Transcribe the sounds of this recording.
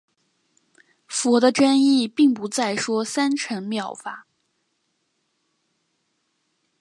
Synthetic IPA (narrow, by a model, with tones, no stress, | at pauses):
fɔ˧˥d̪ə˧ʈ͡ʂə˥ni˥˧pi˥˩ŋpu˧˥t͡sa˥˩ɪʂwɔ˥sa˥nʈ͡ʂʰə˧˥ŋmjɑ˥˩ʊfa˨˩˦